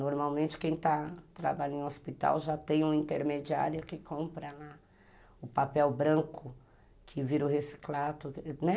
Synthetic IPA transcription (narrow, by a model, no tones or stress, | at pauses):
noɾmawmẽnt͡ʃɪ̥kẽj̃t̪at̪ɾa̰baʎʊẽospit̪a̰wʒat̪ẽj̃ũĩnt̪eɾmed͡ʒia̰ɾjʊkɪkõpɾɐla | ʊpapɛwbɾɐ̃ŋkʊ | kʰɪviɾʊɦesi̥klat̪ʊnɛ